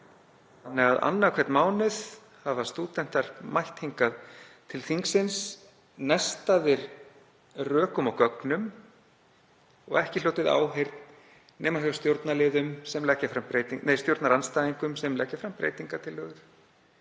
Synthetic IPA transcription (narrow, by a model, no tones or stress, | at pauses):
θanːɛɣaða̰nːakʰvɛt̪nmaːwnɪð | havast̪uːt̪ɛn̥t̪aɾ̥majht̪heŋkaðt̪ʰɪlθiŋksɪns | nɛst̪aðɪɾ | rœːkʏmawkœknʏm | ɔ̰ɣɛhcɪloːwt̪ɪða̰ːwɦejɾt̪n | nɛːmahst̪jowɾt̪nalɪːðʏmsɛmlɛhcafɾampɾejt̪iŋnejst̪jowɾt̪naɾanst̪aːðiŋkʏmsɛmlɛhcafɾampɾḛːjt̪iŋkat̪ʰɪlːœːɣðʏ̥